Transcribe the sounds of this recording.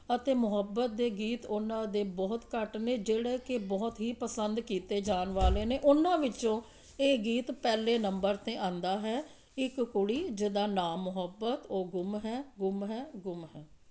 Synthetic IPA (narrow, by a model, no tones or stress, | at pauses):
ət̪eːmʊɦəbːət̪̚d̪eːɡiːt̪ʊnãːd̪eːbɔːt̪kəʈneːd͡ʒeːɽeːkebɔːt̪ɦiːpəsənd̪kiːt̪eːd͡ʒaːnʋaːleːneːʔʊnãːʋɪt͡ʃõː | eːɡiːt̪pɛːleːnəmbəɾt̪ẽːãːnd̪aːɦɛː | ɪkkʊɽiːd͡ʒɪd̪aːnaːmːʊɦəbːət̪oːɡʊmɦɛːɡʊmɦɛːɡʊmɦɛː